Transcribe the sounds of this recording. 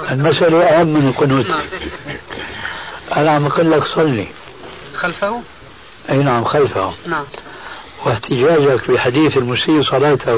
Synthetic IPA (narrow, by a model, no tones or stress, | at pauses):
ʔɪlmasʔalaʔaʔamːɪnɪlqʊnuːt̪ʰi | ʔanaʕamaqʊlːaksˤɑlːḭ | alf | ʔeːnaʕamxalfa̰hʊm | wɪht̪ʰɪd͡ʒaːd͡ʒakbɪħad̪iːθɪlmʊsiːʔsˤɑlɑːt̪ʰa